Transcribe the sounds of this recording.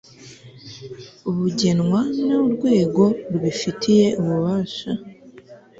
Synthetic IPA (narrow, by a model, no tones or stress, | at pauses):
uβuɟe̞nŋwanoɾɡwe̞ːɡo̞ɾuβifitʰije̞ʔuβuβaːʃa